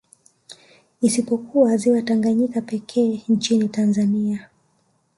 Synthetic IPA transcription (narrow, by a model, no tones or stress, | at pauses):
isipɔkuaziwataŋɡaɲikapɛkʰɛːɲt͡ʃinitanzania